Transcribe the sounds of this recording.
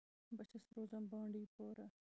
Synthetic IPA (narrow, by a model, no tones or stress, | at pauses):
bɐt͡ʃʰisɾoːzɐmbɑ̃ːɳɖiːpoːɾɐ